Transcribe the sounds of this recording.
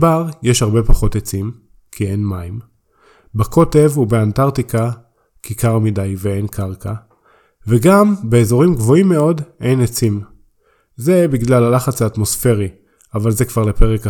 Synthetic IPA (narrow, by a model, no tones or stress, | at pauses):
baʁjeʃhaʁbe̞paχo̞tet͡sim | kʰienmaim | bakʰo̞te̞vubeantaʁtikʰa | kikʰaʁmidajveenkʰaʁkʰa | veɡambe̞ːzo̞ʁimɡvo̞imːe̞o̞dejnet͡sim | ze̞biɡlalalaχat͡saːtmo̞sfe̞ʁi | avalzekv̥aʁlepe̞ʁeka